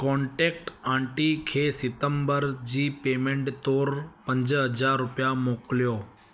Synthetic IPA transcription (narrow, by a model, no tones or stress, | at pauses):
kɔ̃ːɳʈeːk̚ʈãːɳʈikʰeːsɪt̪əmbəɾd͡ʑiːpeːmẽɳʈt̪oːɾpə̃ɲd͡ʑɦəd͡ʑaːɾːʊpjamoːklijoː